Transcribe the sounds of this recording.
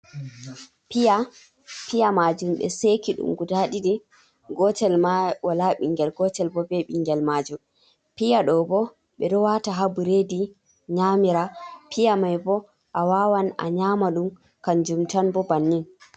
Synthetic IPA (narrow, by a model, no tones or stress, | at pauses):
pija | pijamad͡ʒumɓɛ̰sekiɗṵmɡudaɗidi | ɡɔtɛlmawalaɓiŋɡɛlɡɔtɛlbɔbɛɓiŋɡɛlmad͡ʒum | pijaɗɔbɔ | ɓɛɗɔwataɦabuɾedi | ɲamiɾapʰijamajbɔ | ʔawawana̰ɲamaɗum | kand͡ʒumtanbɔbanːin